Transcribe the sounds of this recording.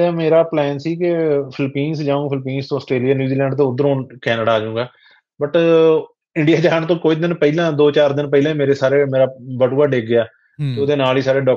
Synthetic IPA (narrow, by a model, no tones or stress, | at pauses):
ɛːmeːɾaːplɛːnsiːkɪpʰɪlpiːnsd͡ʒaːõːpʰɪlpiːnst̪õːsʈɾeːlijaːnjuːziːlɛ̃ːɳɖt̪õːʊd̪əɾõːnkɛːnəɖaːd͡ʒaũːɡaː | bəʈ | ɪ̃ɳɖijaːd͡ʒaːnt̪õːkoːɪd̪ɪnpəiːlãːd̪oːt͡ʃaːɾd̪ɪnpəilãːmeːɾeːsaːɾeːmeːɾaːbəʈuːaːɖeːɡɪaː | t̪eoːd̪eːnaːliːsaːɾeːɖɔː